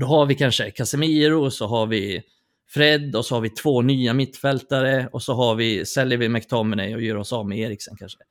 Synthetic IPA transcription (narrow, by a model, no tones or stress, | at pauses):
d̪ɔhaɾvɪkʰanʂəkʰasɛmiːɾʊsɔɦaɾvɪ | fɾɛd̪ːɔsɔhaɾvɪt̪ʰvoːnyːamɪt̪ːfɛlt̪aɾəɔsɔɦaɾvɪsɛljəɾvɪmɛkt̪ʰɔmːɛnɛ̰jɔjœːɾɔsɑvmɛeːɾɪksɔnkʰanʂə